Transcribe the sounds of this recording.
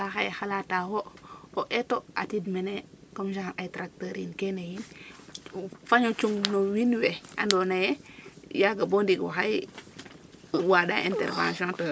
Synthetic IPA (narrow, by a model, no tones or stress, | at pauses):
axajxalatahooʔetoa̰tidmenekamʃahnajtɾak̚taɾinkenajin | faɲot͡ʃuŋnowinwea̰ndonajɛjaɡabondiɡɔ̰xaj | wada̰ʔḭntɛ̰ɾvã̰nsiõnto